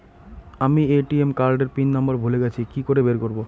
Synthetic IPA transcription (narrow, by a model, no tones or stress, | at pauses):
amieʈiemkaɾɖeɾpinːɔmbaɾbʱuleɡɛt͡ɕʰikikoɾebeɾkoɾbo